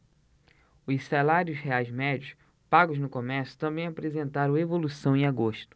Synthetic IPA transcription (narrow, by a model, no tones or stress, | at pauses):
ʊzsalaɾjʊsheajzmɛd͡ʒiʊs | paɡʊznʊkõmɛɾsjʊ̥t̪ɐ̃mbẽj̃apɾezẽnt̪aɾɐ̃w̃evolusɐ̃w̃ẽj̃aɡoʃt̪ʊ̥